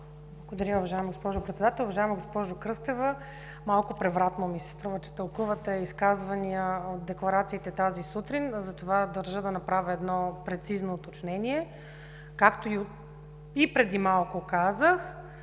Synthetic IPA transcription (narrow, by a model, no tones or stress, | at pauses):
blˠɐɡod̪ɐɾʲaʊvɐʒaɛmɐɡospɔʒʊpɾɛt̪sɛd̪at̪ɛlˠʊvɐʒaɛməɡospɔʒokɾɤst̪ɛvə | malˠkʊpɾɛvɾat̪nomisɛ̥st̪ɾuvət͡ʃɛ̥t̪əlˠkuvət̪ɛiskazvɐniəot̪̚d̪ɛklˠɐɾat̪siːt̪ɛt̪azisut̪ɾinzɐt̪ovad̪ɐɾʒəd̪ɐnɐpɾavʲəɛd̪nɔpɾɛt̪siznoːt̪ot͡ʃnɛnʲiɛ | kakt̪oi | ipɾɛd̪imalˠkʊkazəx